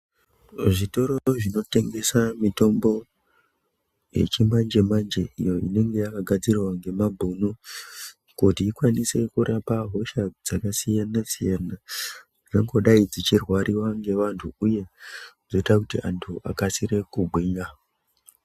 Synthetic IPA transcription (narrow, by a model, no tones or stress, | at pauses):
ʐito̞ɾoʐino̞te̞ŋɡe̞samito̞mbo̞ | jḛt͡ʃemand͡ʒe̞mand͡ʒe̞ḭjo̞ine̞ŋɡe̞jakaɡʱad͡zirwaŋɡe̞mabʱunu | kutiːkwanise̞kuɾapaɦo̞ʃad͡zakasijanasijana | d͡zaŋɡo̞ɗaid͡zit͡ʃirwaɾiwaŋɡe̞ʋantʰuuje̞d͡zoitakutiʔantʰuʔa̰kasiɾe̞kubʱwiɲa